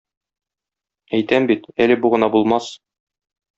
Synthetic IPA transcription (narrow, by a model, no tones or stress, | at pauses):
æjt̪æmbit̪ælɘ̆buʁɤ̆nɑbulˠmɑs